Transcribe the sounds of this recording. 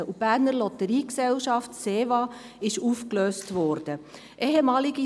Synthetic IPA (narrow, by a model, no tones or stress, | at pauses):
əub̥æːɾnəɾlɔtəɾiːksɛlʃɑftseːvɑː | ɪʃuːfkløːstʋɔɾd̥ə | ʔeɦemɑːliɡi